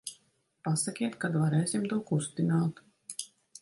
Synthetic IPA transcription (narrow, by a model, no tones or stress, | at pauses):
pasakʲiɛt̪kad̪vaɾɛːsimt̪uɔkust̪inaːt̪